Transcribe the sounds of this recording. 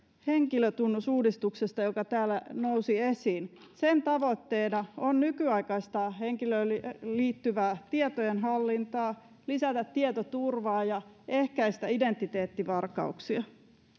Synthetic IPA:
heŋkiløt̪unːusuːdist̪uksest̪ɑjokɑt̪æːlːænousiesiːnsent̪ɑʋot̪ːeːnɑonnykyɑikɑist̪ɑːheŋkilølliːt̪ːyʋæːt̪iet̪ojenɦɑlːint̪ɑː | lisæt̪æt̪tːiet̪ot̪urʋɑːjɑehkæist̪æident̪ːit̪eːt̪ːiʋɑrkːɑ̰uksiɑ

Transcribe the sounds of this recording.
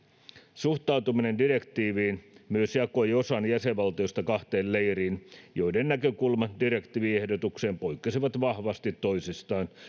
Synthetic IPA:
suht̪ɑwt̪uminendire̞kt̪iːʋiːnmyøsjɑkoiosɑnjæseʋʋɑlt̪iost̪ɑkɑht̪eːllejriːnjojdennækøkulmɑdire̞kt̪iːʋiehdot̪ukseːmpoikːɑsiʋɑt̪ʋɑhʋɑst̪it̪ːoisist̪ɑːn

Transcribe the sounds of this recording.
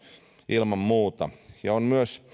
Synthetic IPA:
ʔilmɑmmuːt̪ɑ̰jɑonmyøs

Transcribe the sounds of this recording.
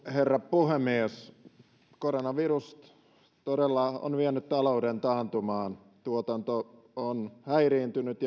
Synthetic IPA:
herːɑppuhemies | koronɑʋirust | t̪odelːɑo̰nʋienːyt̪t̪ɑloudent̪ɑːnt̪umɑːn | t̪uot̪ɑnt̪o | onhæiriːnt̪ynyt̪j

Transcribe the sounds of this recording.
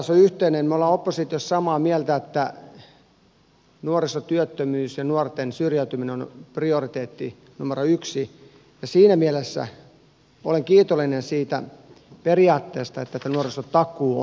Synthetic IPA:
soyht̪einenmoleopːosit̪iossɑmɑːmiælt̪æet̪ːæ | nuorisot̪yøt̪ːømyːsjɑnuort̪ensyrjæyt̪ymineonpriorit̪eːt̪ːi | numeroyksi | jɑsiːnæmiælesːæ̰ | oleŋkiːt̪olːinensiːt̪æ̰ | periɑːt̪ːeːst̪ɑet̪ːæet̪ːænuorisot̪ɑkːˑuːo

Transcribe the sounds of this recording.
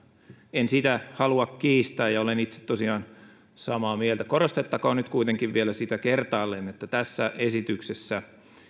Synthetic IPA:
ensit̪æhɑluɑkkiːst̪æːjjɑolenit̪se̥t̪t̪osiɑːn | sɑmɑːmielt̪ækorost̪et̪ːɑkoːnyt̪kuit̪eŋkiʋʋielæsit̪ækert̪ɑːlːenet̪ːæt̪æsːæʔesit̪yksesːæ

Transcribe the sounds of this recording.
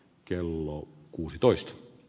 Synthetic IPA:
kelːokuːsit̪oist̪

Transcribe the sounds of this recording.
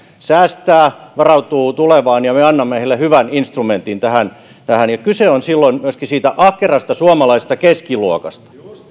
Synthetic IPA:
sæːst̪æːʋɑrɑut̪uːt̪uleʋɑːnjɑmeɑnːɑmːehelːehyʋæninst̪rument̪int̪æhæn | t̪æhænjɑkyseonsilːonmyøskisiːt̪æʔɑhkerɑst̪ɑsuɑmɑlɑise̥st̪ɑkeskiluokɑst̪ɑ̥

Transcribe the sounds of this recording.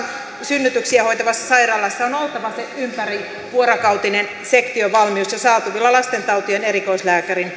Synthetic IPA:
synːyt̪yksiæhoit̪ɑʋɑsːɑsɑirɑːlːɑsːɑonolt̪ɑʋɑseympæri | ʋuoɾokɑwt̪inen | sekt̪ioʋɑlmiusjɑsɑːt̪uʋilːɑlɑst̪ent̪ɑut̪ieneɾikoislæːkærin

